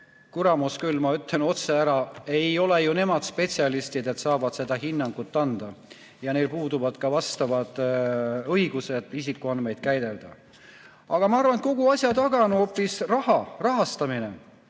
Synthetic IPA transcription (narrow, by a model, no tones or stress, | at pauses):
kuɾɑmuskylːmɑyt̪ˑeno̞t̪se̞æɾɑe̞jo̞lejune̞mɑd̪̥spe̞t̪ʲsiɑlist̪id̪e̞t̪sɑːvɑd̪̥se̞d̪̥ɑɦinːɑŋɡ̥ut̪ːɑnd̪̥ɑ | jɑne̞lpuːd̪uvɑd̪̥kɑvɑst̪ɑvɑd̪̥ | ɤiɡ̥use̞d̪̥isikːˑuɑnme̞jd̪̥̚kæjd̪̥e̞ld̪̥ɑ | ɑɡ̥ɑmɑɑrvɑnko̞ɡuɑsʲjɑt̪ɑɡɑnuopːˑisrɑhɑrɑɦɑst̪ɑmine